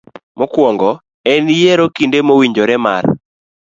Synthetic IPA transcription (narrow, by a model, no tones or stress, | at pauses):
mɔkwɔŋɡɔ | ɛnjeɾokindemowiɲd͡ʒoɾɛma̰r